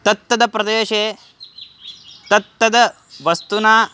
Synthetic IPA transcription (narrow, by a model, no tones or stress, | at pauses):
t̪ɐt̪ːɐd̪ɐpɾɐd̪eːʃeː | t̪ɐt̪ːɐd̪ɐ | ʋɐst̪unaː